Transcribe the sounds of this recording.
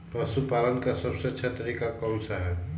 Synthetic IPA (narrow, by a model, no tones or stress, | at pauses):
pəsupalənkasəbseətːʃʰat̪əɾiːkakɔmsaɦɛb